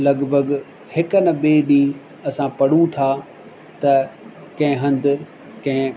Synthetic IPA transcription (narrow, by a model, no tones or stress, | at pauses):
lɐɠbʱəɡ | hɪkənɐbeːɗĩː | ɐsãpɐɽ̤ũt̪ʰaː | t̪ɐ | kɐ̃ɦɪ̃ɦɐ̃nd̪əɾ | kɐ̃ɦɪ̃